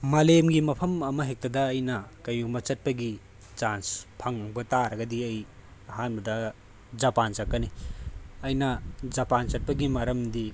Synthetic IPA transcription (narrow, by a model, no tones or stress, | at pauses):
malemɡimɐpʰɐmɐmɐɦek̚tɐdɐːjnɐkɐjubɐt͡ʃɐt̚pɐɡi | t͡ʃanspʰɐŋbɐtaɾɐɡɐdiɐj | ɐɦanbɐdɐ | d͡ʒapant͡ʃakːɐni | ɐjnɐd͡ʒɐpant͡ʃɐt̚pɐɡimɐɾɐmdi